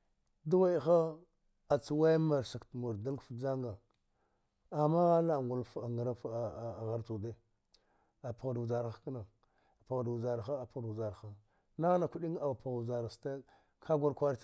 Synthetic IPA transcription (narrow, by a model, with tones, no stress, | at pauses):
du˦wa˦jxa˦ | a˨t͡si˨wa˦ma˨ɾsa˨ktmu˨ɾda˦lkfd͡ʒa˦ŋɡa˨ | a˨ma˦ɣa˦la˦˨ŋɡu˨lfa˨ŋa˨ɾa˦fɣa˨ɾtu˨de˦ | a˨pa˨ɣdza˨ɾkna˨ | pa˨ɣdza˨ɾxa˦˨pza˨ɾxa˦ | na˦ɣna˨kʷu˦ɗi˦ŋa˨wpa˨ɣza˨ɾa˨sta˦ | kʰa˦ɡʷa˦ɾkʷa˦ɾt